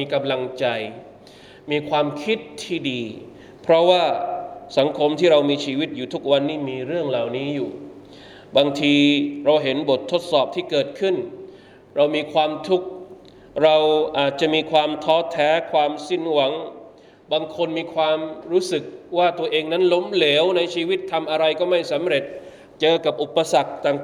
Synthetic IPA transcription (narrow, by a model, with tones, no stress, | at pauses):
iː˧ka˧mla˧ŋt͡ɕa˧j | miː˧kʰwaː˧mkʰi˦˥t̪ʰːiː˥˩diː˧ | pʰɾɔ˦˥waː˥˩sa˩˦ŋkʰo˧mt̪ʰiː˥˩ɾa˧wmiː˧t͡ɕʰiː˧wi˦˥t̪̚juː˨˩t̪ʰu˦˥k̚wa˧nːiː˥˩miː˧ɾɯ˥˩əŋlaː˨˩wniː˦˥juː˨˩ | baː˧ŋt̪ʰiː˧ɾa˧wɦe˩˦nbo˨˩t̪ʰːo˦˥t̪̚sɔː˨˩p̚t̪ʰiː˥˩kɤː˨˩t̪̚kʰɯ˥˩n | ɾa˧wmiː˧kʰwaː˧mt̪ʰu˦˥k̚ | ɾa˧wʔaː˨˩t̪̚t͡ɕa˨˩ʔmiː˧kʰwaː˧mt̪ʰɔː˦˥t̪ʰɛː˦˥kʰwaː˧msi˥˩nwa˩˦ŋ | baː˧ŋkʰo˧nmiː˧kʰwaː˧mɾuː˦˥sɯ˨˩k̚waː˥˩t̪u˧ɐʔeː˧ŋna˦˥nlo˦˥mle˩˦wna˧jt͡ɕʰiː˧wi˦˥t̪ʰːa˧mʔa˧ɾa˧jkɔː˥˩ma˥˩jsa˩˦mɾe˨˩t̪̚ | t͡ɕɤː˧ka˨˩p̚ʔu˨˩pːa˧sa˨˩k̚t̪aː˨ŋ